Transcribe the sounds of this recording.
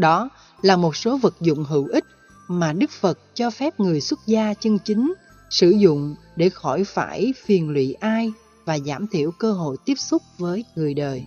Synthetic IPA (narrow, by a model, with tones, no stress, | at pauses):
ɗɔ˨˦ | laː˨˩mo˨˩t̚so˨˦və˨˩k̚zʊ̰˧˨ŋ͡mɦɨ̰˧˨wʔï˦˥k̟̚ | maː˨˩ɗɨ˦˥k̚fə˨˩t̚t͡ɕɔ˧fɛ˦˥p̚ŋɨ˨˩əjswə˦˥t̚zaː˧t͡ɕɨ˧nt͡ɕi˨˦ŋ̟ | sɨ̰˧˩zʊ̰˧˨ŋ͡m | ɗe˧˩xɔ˧˩jfaː˧˩jfi˨˩ənlwḭ˧˨ʔaː˧j | vaː˨˩zaː˧˩mt̪ʰi˧˩əwkəː˧ɦo̰˧˨jt̪i˦˥əp̚sʊ˦˥k͡p̚vəː˨˦jŋɨ˨˩əjɗəː˨˩j